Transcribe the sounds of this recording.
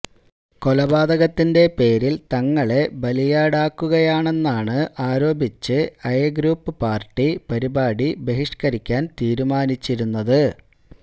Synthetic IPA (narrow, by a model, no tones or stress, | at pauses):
ko̞lɐbaːd̪ɐɣɐt̪ːinde̞pe̞ːɾilt̪ɐŋːɐɭe̞bɐlijaːɽaːkːuɣɐjaːɳe̞nːaːɳɨʔaːɾo̞ːbit͡ɕːɨɐjɡɾuːpːɨpaːrʈːipɐɾibaːɽibe̞ɦiʂkɐɾikʲːaːnt̪iːɾumaːnit͡ɕːiɾunːɐðɨ